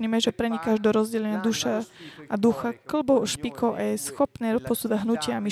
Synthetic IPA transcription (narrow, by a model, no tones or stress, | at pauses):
ɲɛmɛʒɛpɾɛɲikaʒd̪ɔɾɔzɟɛlɛɲɪad̪uʃaad̪uxakl̩bɔʊɔʃpikʰɔʊʔajɛsxɔpnɛːɾɔpɔsuːd̪aɟɦnucɪɛami